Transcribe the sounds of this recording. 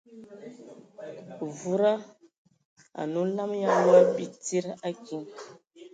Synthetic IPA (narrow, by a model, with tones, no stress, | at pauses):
vu˨ɾa˦ | a̰˨nu˦la˦mja˦nu˦ɾa˦pi˦ti˦ɾa˦ki˨˦ŋ